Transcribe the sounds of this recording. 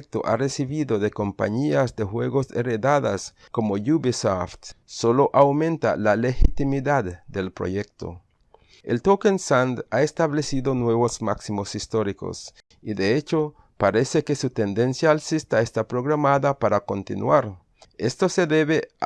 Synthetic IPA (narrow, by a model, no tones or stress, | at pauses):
k̚t̪o̰ʔa̰resiβiðoðeko̞mpa̰ɲiazd̪exweɣo̞sereðaða̰s | ko̞mojuβisoft̪soloʔawmẽ̞nt̪a̰lalexit̪imiðad̪d̪elpɾo̰ʝek̚t̪o̰ | elt̪okensand̪aest̪aβle̞siðonweβozmaksimosist̪oɾiko̰s | iðeet͡ʃo | paɾe̞sekesut̪e̞nd̪e̞nsjaːlsist̪aest̪apɾo̞ɣɾamaðapaɾako̞nt̪ḭnwaɾ | est̪o̞se̞ðeβe